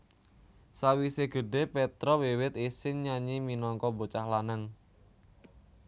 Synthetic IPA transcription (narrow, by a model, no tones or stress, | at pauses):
sawiseɡ̥ə̤ɖe̤pɛt̪ɾɔwewɪt̪isɪŋɲaɲiminɔŋkɔbot͡ʃahlanaŋ